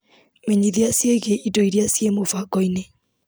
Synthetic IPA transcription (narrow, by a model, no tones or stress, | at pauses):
meɲiðiasieɣeʔidoiɾiasiemofaɡɔine